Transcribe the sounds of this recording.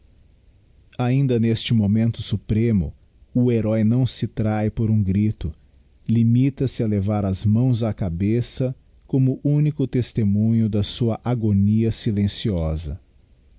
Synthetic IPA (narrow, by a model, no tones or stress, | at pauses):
aĩnd̪ɐnest͡ʃɪmomẽnt̪ʊsupɾẽmʊ̰ | ʊeɾɔjnɐ̃w̃sɪt̪ɾajpoɾũɡɾit̪ʊ | limit̪ɐsɪɐlevaɾɐzmɐ̃w̃zakabesɐ | kõmʊʔũnikʊt̪est̪emũɲʊd̪ɐsuɐʔaɡoniɐsilẽsiɔzɐ̰